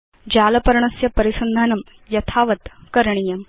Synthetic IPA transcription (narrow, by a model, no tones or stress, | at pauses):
d͡ʑaːlɐpɐɾɳɐsjɐpɐɾisɐnd̪ʱaːnɐm | jɐt̪ʰaːʋɐt̪kɐɾɳijɐm